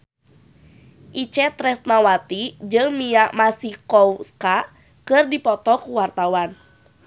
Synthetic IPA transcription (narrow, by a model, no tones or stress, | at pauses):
ʔit͡ʃɛt̪ɾɛst̪̚nawat̪id͡ʒɨŋmiaʔmasikɔwska | kɨrdipɔt̪ɔkuwart̪awan